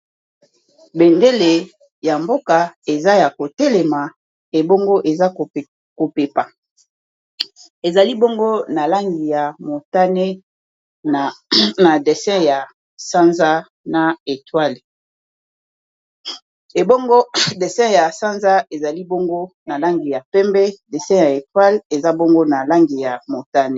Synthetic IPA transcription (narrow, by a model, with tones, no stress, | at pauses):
be˨nde˦le˨ | ja˨mbo˦ka˨e˨za˦ja˨ko˨te˦le˨ma˨ | e˨bo˦ŋɡo˦ʔe˨za˦˨ | ko˨pe˨pa˨ | e˨za˨li˦bo˦ŋɡo˦na˨la˦ŋɡi˨ja˨mo˨ta˦ne˦˨ | na˨de˨sɛ̃˦ja˨ | sã˦nza˦ | na˨e˨twa˦l | e˨bo˦ŋɡo˦de˨sɛ̃˦ja˨sã˦nza˦e˨za˨li˦bo˦ŋɡo˦na˨la˦ŋɡi˨ja˨pɛ˦mbɛ˦de˨sɛ̃˦ja˨e˨twa˦le˨za˦bo˦ŋɡo˦na˨la˦ŋɡi˨ja˨mo˨ta˦ne˨